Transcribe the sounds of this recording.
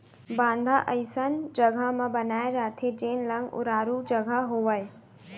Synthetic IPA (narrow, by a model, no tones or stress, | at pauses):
bãːnd̪ʱaʔəɪsənd͡ʒɐɡʱəmãbɐnaːeɾaːt̪ʰed͡ʒeːnlɐ̃ŋɡʊ̰ɾaːɾud͡ʒɐɡʱəɦoʋəe